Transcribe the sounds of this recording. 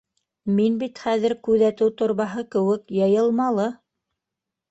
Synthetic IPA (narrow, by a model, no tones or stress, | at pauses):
minbit̪χæðɘ̆ɾkʉðæt̪ɘwt̪ŏɾβɑɦɤkɘ̆wɘkjɑjɤ̆lˠmɑlˠɤ